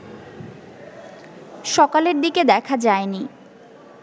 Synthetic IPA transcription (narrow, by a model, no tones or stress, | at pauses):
ʃɔkaleɾd̪iked̪ɛkʰad͡ʑaeni